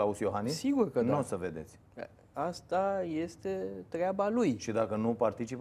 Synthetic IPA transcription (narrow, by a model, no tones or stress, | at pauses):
lausjo̞ɦanissiɡurkədnosəve̞d̪e̞̰t̪sʲ | ast̪aje̞st̪e̞t̪ɾeabalujʃid̪akənupart̪it͡ʃip